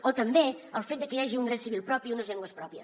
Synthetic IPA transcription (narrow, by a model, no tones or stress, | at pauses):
ot̪əmbeəlˠfet̪̚d̪əkəjaʒiuŋɾesiβilˠpɾɔpiunəzʎɛŋɡwəspɾɔpiəs